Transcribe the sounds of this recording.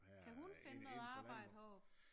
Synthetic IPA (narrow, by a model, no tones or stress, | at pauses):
kʰæɦunfe̝nənɔ̽ːð̩ˠɑ̈ːb̥ɑ̈ɪ̰d̥hɒ